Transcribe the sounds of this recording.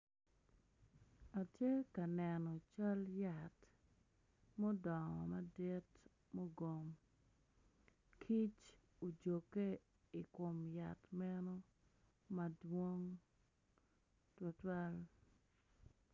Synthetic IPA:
a˨tje˦ka˨nɛ˨nɔ˨t͡ʃa˦lja˨t | mo˦dɔ˨ŋɔ̰˨ma˦de˦t | mo˦ɡo˨m | kʰi˦t͡ʃ | o˨d͡ʒo˨kːe˦ | i˨kʊ˨mja˨tmɛ˦no˦ | ma˦dwo˦ŋ | two˦twa˦l

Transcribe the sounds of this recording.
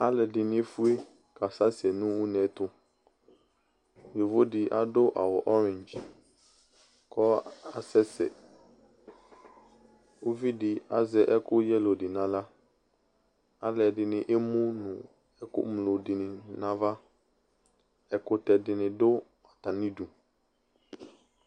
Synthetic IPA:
a˦lɛ˨dɪ˨nɪ̃˦fu˦e˦ | ka˨sa˦sɛ˨nũ˦wu˦nɛ̃˨t̪ʊ˦ | jo˨vo˦dɪ˨ʔa˨dʊ˦ʔa̰˨wɔ˨ʔɔ˦ɾɛ̃˨nd͡ʒ | kɔ˦a˨sɛ˦sɛ̰˨ | o˦vi˦dɪ˨a̰˦zɛ˨ʔɛ˦kʊ˦jɛ˦lo˨dɪ˨nã˨˦la˦ | a˦lɛ˨dɪ˨nɪ̃˨ʔe˦mũ˦nʊ̃˨ | ɛ˦kʊ̰˦mlo˨dɪ˨nɪ̃˨nã˦va˦ | ɛ˨kʊ˦t̪ɛ˨dɪ˨nɪ̃˨dʊ˦ | a˨t̪a˨nĩ˦du˨

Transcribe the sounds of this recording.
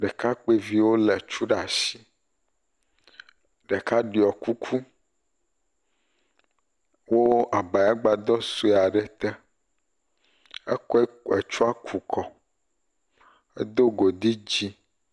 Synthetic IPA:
ɖɛ˨ka˦k͡pe˦vi˦wo˦lɛ˨t͡ʃu˦ɖa˨si˦ | ɖɛ˨ka˦ɖi˨ɔ˨ku˦kʰu˦ | wo˦a˨ba˨ja˦ɡ͡ba˨d̪ɔ˦su˦e˨a˨ɖɛ˨t̪ɛ˦ | ɛ˦kɔ˦ɛ˦ɛ˨t͡ʃu˦a˦kʰu˨kʰɔ˨ | ḛ˦d̪o˦ɡo˨d̪i˦d͡ʑi˦

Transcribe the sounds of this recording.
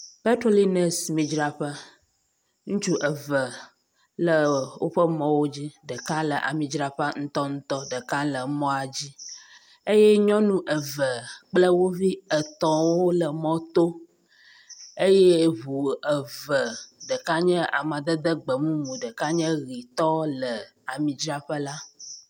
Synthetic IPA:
pɛ˦tɾo˦li˦nɛ˨smĩ˨d͡ʒɾa˨ɸə˦ | ŋũ˦t͡ʃu˦ʔə˨və˨ | lə˨wo̰˦ɸə˦mɔ̃˦wo˦d͡ʑi˦ɖə˨ka˦lə˨ʔa̰˨mĩ˨d͡ʒɾa˨ɸa˦ŋ̩˦t̪ɔ˦ŋũ˦t̪ɔ˦ɖə˨ka˦lə˨mɔ̃˦a˨d͡ʑi˦ | e˦jɛ˦ɲɔ̃˦nũ˦ʔə˨və˨k͡plə˦wo˦vi˦ə˨t̪ɔ̃˨wo˦lə˨mɔ̃˦t̪o˦ | e˦je˦βu˨ə˨və˨ɖə˨ka˦ɲɛ̃˦ʔa̰˨mã˨d̪ə˦d̪ə˦ɡ͡bə˨mũ˦mũ˨ɖə˨ka˦ɲə̃˦ɣi˨t̪ɔ˦lə˨ | a˨mĩ˨d͡ʒɾa˦ɸə˦la˦

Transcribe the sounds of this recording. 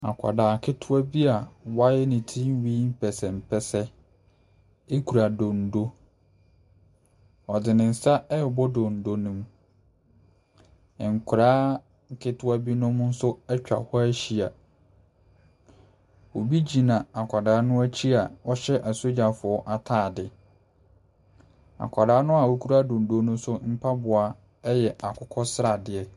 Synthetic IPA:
a̰˨kʷʰa̰˨daː˨kʰɪ˦tʰʊ˦a˦bi˦a˨wa˦jɛ˦nɪ̃˨tʰĩ˦n˦wĩ˦m̩˦pʰɛ˨sɛ˨m̩˨pʰɛ˦sɛ˦ | e˦kʰu˨ɾa˨dõ˨n̩˨do˦ | ɔ˨dɪ˨nɪ̃˨n̩˨sa˦ɛ˦˨bɔ˦dɔ̃˨n̩˨do˦nũ˦m˨ | ŋ̩˨kʰʊ˨ɾaː˦˨ | kʰɪ˦tʰʊ˦a˦bi˦nʊ̃˦m˦n̩˦sʊ˦ɛ˦t͡ɕᶣa̰˨hɔ˦æ˦ɕi˦a˨ | o˨bi˦d͡ʑi˨nã˨a˨kʷʰa˨daː˨˦nʊ̃˦æ˦t͡ɕʰi˦a˨ɔ˦ɕɛ˦ʔa˨so˦d͡ʑa˨fʊ˨ɔ˦ʔa˨tʰaː˦˨dɪ˨ | a̰˨kʷʰa˨daː˨˦nʊ̃˦a˨wo˦kʰu˦ɾa˦dõ˨n̩˨do˨˦nũ˦m˦sʊ˦m̩˦pʰa˦bʊ˨a˨ | ɛ˦jɛ˨a˨kʰʊ˦kʰɔ˦sɾa˨dɪ˨ɛ˦

